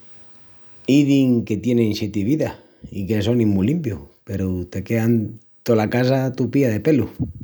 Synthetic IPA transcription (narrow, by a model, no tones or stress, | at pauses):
iðiŋke̞t̪je̞nenset̪iβiða | ikesonĩmulimpjupeɾut̪ekean | t̪olakas̬at̪upiaðepelu